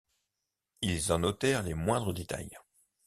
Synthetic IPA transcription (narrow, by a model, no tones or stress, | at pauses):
ilzɑ̃nɔt̪ɛʁlemwɛ̃d̪ʁəd̪et̪a̰j